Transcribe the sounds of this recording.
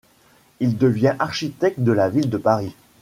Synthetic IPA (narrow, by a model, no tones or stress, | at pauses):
ild̪əvjɛ̃ʔaʁʃit̪ɛk̚t̪̚d̪əlavild̪əpaʁi